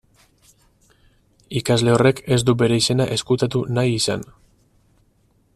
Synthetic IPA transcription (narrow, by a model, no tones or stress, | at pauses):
ikazle̞o̞re̞ke̞zd̪ube̞ɾe̞ise̞naʔe̞skut̪at̪unajisa̰n